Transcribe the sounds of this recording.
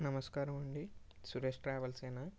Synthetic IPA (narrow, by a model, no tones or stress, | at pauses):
nɐmɐskaːɾɐmuɳɖisuɾesʈɾaːʋɐlseːna